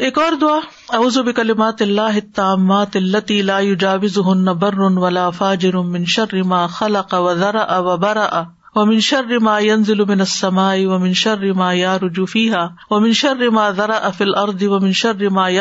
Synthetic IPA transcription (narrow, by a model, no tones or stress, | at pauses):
eːkɔːɾd̪ʊaː | auːzʊbɪkɐlɪmaːt̪ɪlːaːɦɪt̪ːaːmːaːt̪ɐlːɐt̪iːlaːjʊd͡ʒaːwɪzʊɦʊnːɐbɐrːʊnwɐlaːfaːd͡ʒɪɾʊmɪnʃɐrːɪmaːxɐlɐqawɐðɑɾˤɑʔawɐbɐɾˤɑʔa | wɐmɪnʃɐrːɪmaːjɐnzɪlʊmɪnɐsːɐmaːʔɪwɐmɪnʃɐrːɪmaːjaɾʊd͡ʒʊfiːɦaː | wɐmɪnʃɐrːɪmaːðɑɾˤɑʔafiːlʔɑɾˤd̪ˤɪwɐmɪnʃɐrːɪmaːj